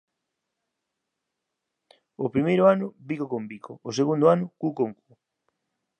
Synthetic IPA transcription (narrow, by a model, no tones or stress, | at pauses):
opɾimejɾʊanʊbikokombiko̰ːseɣund̪ʊanʊkukoŋku